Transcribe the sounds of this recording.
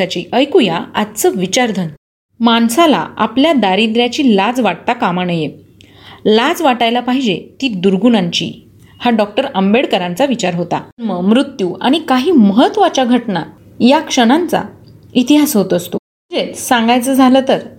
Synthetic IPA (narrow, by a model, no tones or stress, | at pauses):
at͡ɕiːʔəjkujaat̪t͡səʋit͡ɕaɾd̪ʱən | mansala̰a̰pljad̪aɾid̪ɾjat͡ɕiːlad͡zʋaʈ̚t̪akamanəje | lad͡zʋaʈajlapaɦid͡ʑet̪iːd̪uɾɡunaɲt͡ɕḭː | haɖɔk̚ʈəɾəmbeɽkəɾãnt͡saʋit͡ɕaɾɦot̪a̰məmɾut̪ːjuːa̰ɽ̃ikaɦiːməɦət̪ʋat͡ɕaɡʱəʈna̰ | jakʂəɽ̃ant͡sa̰ | it̪iɦasɦot̪əst̪o | əd͡zet̪sãŋɡajt͡səːd͡zʱalət̪əɾ